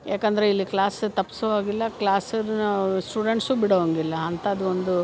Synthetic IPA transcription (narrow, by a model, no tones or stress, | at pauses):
jaːkɐnd̪ɐɾeilːiklaːst̪ɐpːi̥sʋaːɡilːɐklaːsɐɾnɐsʈuːɖeɳʈsubiɽʋɐŋɡilːɐːnt̪ɐːd̪uond̪u